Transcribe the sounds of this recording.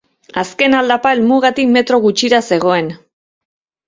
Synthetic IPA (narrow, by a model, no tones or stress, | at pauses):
aske̞nald̪apaelmuɣat̪ikme̞t̪ɾo̞ɣut͡ʃiɾase̞ɣ̞o̞e̞n